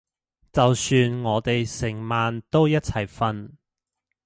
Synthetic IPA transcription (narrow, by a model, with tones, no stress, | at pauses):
t͡sɐ˨wsyː˧nŋɔː˨˧t̪e˨jsɪ˨˩ŋmaː˨nt̪o˥wjɐ˥t̚t͡sʰɐ˨˩jfɐ˧n